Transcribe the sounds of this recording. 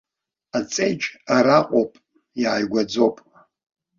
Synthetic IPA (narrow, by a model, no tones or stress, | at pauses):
at͡sʼejd͡ʒaɾaqʷʼopʼ | jaːjɡʷad͡zo̞pʼ